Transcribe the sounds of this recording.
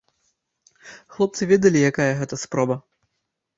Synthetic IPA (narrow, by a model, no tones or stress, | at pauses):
xlˠɔp̚t̪sɨvʲed̪ɐlʲijakajɐɣɛt̪ɐspɾɔbɐ